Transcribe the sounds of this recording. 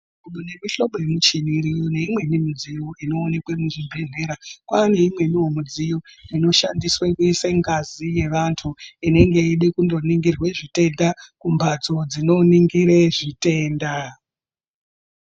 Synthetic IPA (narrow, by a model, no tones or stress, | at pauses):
kuɓune̞miɬo̞ɓoemut͡ʃiniɾijone̞imwe̞nimud͡zijoʔino̞ːne̞kwe̞muʐimbʱeɮe̞ɾakwaːne̞imwe̞niɦomud͡zijoino̞ʃandiswekuiseŋɡazije̞ʋantʰuine̞ŋɡe̞iɗekundo̞niŋɡirwe̞ʐite̞ndakumbʱad͡zo̞d͡zino̞niŋɡiɾe̞ʐite̞ːnda